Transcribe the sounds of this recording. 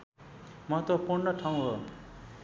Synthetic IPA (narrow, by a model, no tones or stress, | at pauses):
mʌt̪opurnʌʈʰaw̃ɦo